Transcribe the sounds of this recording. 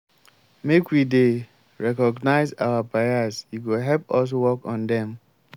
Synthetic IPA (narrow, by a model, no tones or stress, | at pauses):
mekwide | ɹɛkɔɡnaɪza̰wapejazjiɡoɦɛlpɔs̬wɔkɔ̃ndɛ̃m